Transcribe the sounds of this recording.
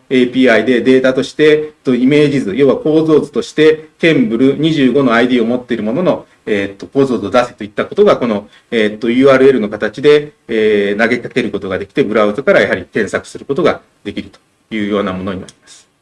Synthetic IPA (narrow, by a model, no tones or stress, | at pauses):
e̞pʲiːaid̪e̞d̪e̞ːt̪at̪o̞ɕi̥t̪e̞t̪o̞ime̞ːʑizɨjo̞ːβapo̞ːzo̞ːzɨ̥t̪o̞ɕi̥t̪e̞k̪ẽ̞mbɯ̟ɾɯ̟ɲ̟iʑɨːɡo̞no̞aid̪iːo̞mo̞t̪ːe̞iɾɯ̟mo̞no̞no̞ | eːt̪ːo̞ko̞ːzo̞ːzod̪ase̥t̪o̞it̪ːako̞t̪o̞ɡako̞no̞ | eːt̪ːo̞jɯ̟ːaːɾɯ̟e̞ɾɯ̟no̞kat̪at͡ɕid̪e̞ː | naɡe̞kake̞ɾɯ̟ko̞t̪o̞ɡad̪e̞kʲi̥t̪e̞bɯ̟ɾaɯ̟zɨkaɾajaɦaɾʲikẽ̞ɰ̃sakɯ̟̥sɨɾɯ̟ko̞t̪o̞ɡa | d̪e̞kʲiɾɯ̟t̪o̥ | jɯ̟ːjo̞ːnamo̞no̞ɲ̟ina̰ɾʲimasɨ̥